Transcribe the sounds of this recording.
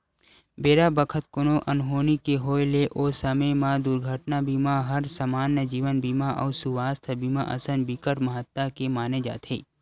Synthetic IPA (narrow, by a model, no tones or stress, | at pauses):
beːɾabəkʰət̪kʊnoʔɐnɦoːnikeɦoːeleʔoːsəməmãd̪uɾɡʱəʈnabiːmaɦəɾsəmaːnːəd͡ʒiːʋənbiːmaʔɔ̰ːsuʋaːst̪ʰbiːmaʔə̰sənbikəɾməɦət̪ːakemaːned͡ʒa̰ːt̪ʰḛː